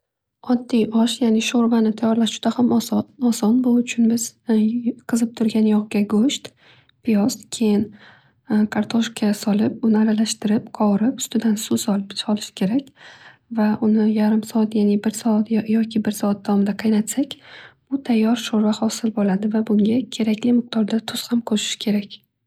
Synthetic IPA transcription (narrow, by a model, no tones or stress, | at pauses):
ɒd̪ːijʔɒʃjanɪʃoɾvanɪt̪ʰajɒɾlaʃd͡ʒʊd̪ahamɒsɒnbʊʊt͡ʃʰʊnbɪz̥ | qʰɨzɪp̚t̪ʰʊɾɡʲanjɒʁɡʲaɡoʃt̪ | pʰijɒst̪kʲʰe̞jɪn | kʰaɾt̪ʰoʃkʰasɒlɪp̚ʊnɪaɾalaʃt̪ɪɾɪpqʰɒwɾɪpʊ̥st̪ɪd̪ansʊsɒɒlɪʃɪ̥kʲʰe̞ɾakʲvaʔʊnɪjaɾɪmsɒat̪janibɪɾsɒat̪jɒkʲʰɪbɪɾsɒat̪̚d̪awɒmɪd̪aqʰɨjnat̪sakʲb̥ʊt̪ʰajːɒɾʃoɾvahɒsɪlbolad̪ɪvabʊŋɡʲakʲʰe̞ɾakʲlɪmɨq̚t̪ʰɒɾd̪at̪ʰʊz̥hamqʰoʃɪ̥ʃkʲʰe̞ɾakʲ